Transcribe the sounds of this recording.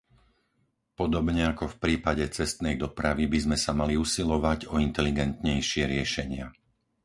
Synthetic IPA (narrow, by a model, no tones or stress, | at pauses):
pɔd̪ɔbɲɛakɔfpɾiːpaɟɛt͡sɛst̪nɛjd̪ɔpɾaʋibizmɛsamaliusilɔʋaɟɔint̪ɛliɡɛnt̪ɲɛjʃɪɛɾɪɛʃɛɲɪa